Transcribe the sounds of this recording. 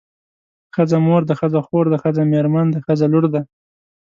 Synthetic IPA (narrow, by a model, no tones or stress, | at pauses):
xəzamoɾd̪əxəzaxoɾd̪əxəzameɾmand̪əxəzalʊɾd̪a